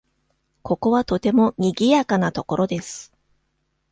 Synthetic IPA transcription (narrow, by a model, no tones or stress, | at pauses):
ko̞ko̞βat̪o̞t̪e̞mo̞ɲ̟iɡʲijakanat̪o̞ko̞ɾo̞d̪e̞sɨ̥